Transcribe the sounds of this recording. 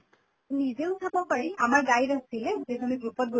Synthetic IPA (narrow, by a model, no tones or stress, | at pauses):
nizeʊtʰabɔpaɹiamaɹɡajɹasilɛzezuniɡɹupɔt̚ɡo